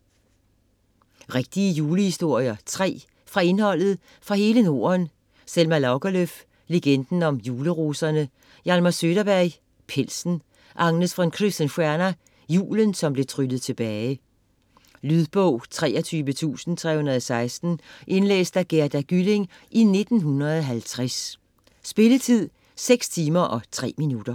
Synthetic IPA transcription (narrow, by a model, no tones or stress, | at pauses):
ʁeɡ̥̚d̥iəjuːləhisd̥o̝ɐ̰jɐt͡sʰʁɛ̰ː | fʁɑ̈e̝nhɒ̽l̰ð̞̩ˠ | fʁɑ̈he̝ːləno̝̰ːɐn | selmælɑʊɡ̥æløf | leɡ̥end̥n̩ɒ̽mjuːləʁoːsɐnə | jɑlmɐsøːɾ̥ɐb̥æɐɪ | pʰel̰sn̩ | ʔɑ̈ŋnəsfʁɑnkʰʁisd̥ænfæɐnæ | jṵːlənsɒ̽mb̥le̝t͡sʰʁyd̥ð̩ˠt͡sʰe̝b̥ɛːɪ | lyðˠb̥ɔʊ̰t͡sʰʁɛ̰ːɒt͡sʰyːʋət͡sʰṵːsn̩t͡sʰʁɛ̰hunɐðˠɒsɑ̈ɪsd̥n̩ʔe̝nlḛːsd̥æɡ̥eɐd̥æɡ̥yle̝ŋ | ʔine̝d̥n̩ɦunɐð̩ˠɒɦælt͡sʰʁɛsː | b̥e̝lət͡sʰið̰ˠ | seɡ̥st͡sʰiːmɐʔɒ̽t͡sʰʁɛ̰ːminud̥ɐ